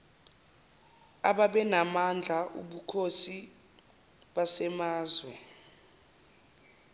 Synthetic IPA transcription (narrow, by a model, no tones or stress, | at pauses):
aɓaɓɛnamand͡ɮʱaʔṵɓukʰosi | ɓasɛmaːzwɛ